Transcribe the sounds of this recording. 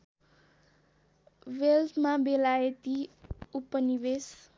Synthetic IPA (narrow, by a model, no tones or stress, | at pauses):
ʋelt̪mãbelajet̪iupənibes